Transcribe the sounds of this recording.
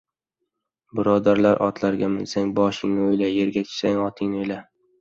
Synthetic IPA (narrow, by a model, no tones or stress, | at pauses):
bɪɾɒd̪aɾlaɾʔɒ̰t̪ʰlaɾɡʲamɪlsaŋʲbɒʃɪŋnɪojlaje̞ɾɡʲat͡ʃʰɪ̥saŋɒt̪ʰɪŋnɪojla